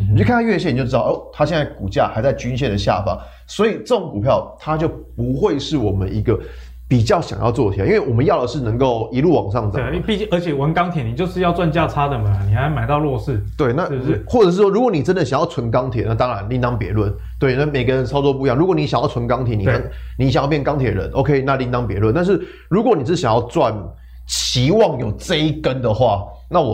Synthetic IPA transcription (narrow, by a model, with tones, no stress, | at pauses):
t͡ɕo˥˩kʰa˥˧nʰa˥ɥɛ˥˧ɕ̬jn˨jo˥˧˥o˥˩t̪ʰa˥ɕjɛ˥˧nt͡sa˥˩ɪku˨˩t͡ɕja̰˥˩xa˧ɪt͡sa˥˩ɪt͡ɕy˥nɕjɛ˥˩nd̪ə˩ɕja̰˥˨fɑ̰˥˦ | swɔ˧˥i˨˩ʈ͡ʂo˥˩˨ŋku˨˩pʰjɑ˥˩ʊt̪ʰa˥t͡ɕjo˥˩ʊpu˧˥xwe˥˧ɪʂɻ̩˥˩wɔ˨˩mə˦ni˧˥ɡə˨ | pi˨˩t͡ɕjɑ˥˩ʊɕjɑ̰˨˩ŋjɑ̰˥˧ʊt͡swɔ˥˩t̪ʰjɛ˨˩ʔi˥nwe˥˩ɪwɔ˨˩mə˦njɑ˥˩ʊd̪ə˩ʂɻ̩˥˩nə˧˥ŋko˥˩ʊi˧˥lu˥˩wɑ̰˨˩ŋʂɑ˥˩ŋt͡sɑ̰˨˦˥pi˥˧t͡ɕi˥ə˞˧˥t͡ɕʰjɛ˨˩wə˧˦nkɑ˥ŋt̪ʰjɛ˨˩ni˨˩t͡ɕjo˥˧ʊʂɻ̩˥˧jɑ˥˧t͡swa˥˧nt͡ɕja˥˧t͡sʰa˥d̪ə˨mɐ˩˨ni˨˩xa˧˥ɪma˨˩ɪt̪ɑ˥˧ʊlwɔ˥˧ʂɻ̩˥˩t̪we˥˩ɪna˥˩˥xwɔ˥˩ə˨˩ʂ̬ɻ̩˥˩ʂwɔ˥ɻu˧˥kwɔ˧˦ni˨˩ʈ͡ʂə˦nd̪ə˨ɕja˨˩ŋjɑ˥˩ʊt͡sʰwə˧˦nkɑ˥ŋt̪ʰjɛ˨˩˦na˥˩t̪ɑ˦ŋɻa˧˦nli˥˧nt̪ɑ˥ŋpjɛ˧˥lwə˥˩n | t̪we˥˩ɪna˥˩me˨˩ɪɡə˦ɻə˧˦nt͡sʰɑ˥ʊt͡swɔ˥˧pu˧jŋɻu˧˥kwɔ˨˦ni˥ɕa˨ŋjɑ˥˩ʊt͡sʰə˧˦nkɑ˥ŋt̪ʰjɛ˨˦ni˨˩a˥ni˧˥ɕŋjɑ˥˧pjɛ˥˩nkɑ˥ŋt̪ʰɛ˨˩ə˨˩ə̰˧˦nʔo̰˧˥ʊkʰe˦˥ɪna˥˧li˥˧nt̪ɑ˥ŋpjɛ̰˧˥lə˥˧nt̪a˥˧ʂ̬ɻ̩˥˩ | ɻu˧˥kwɔ˧˦ni˨˩ʂ̬̩˥˩ɕja˨ŋjɑ˥˧ʊt͡swa˥˨n | t͡ɕʰi˧˥˦wɑ˥˩ŋjo˨˩ʊt͡sə˥˧i˦kə˦nd̪ə˨xwa˥˩ | na˥˩wɔ˨